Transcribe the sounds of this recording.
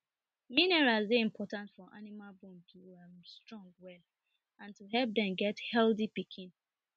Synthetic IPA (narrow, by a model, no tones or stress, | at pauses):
minɛɹazðeĩmpʰɔtãntfɔʔa̰nimalbɔ̃ntʰuamstɹɔ̃ŋɡwɛl | ãntuɦɛlp̚dɛ̃mɡɛthɛldipikʰĩn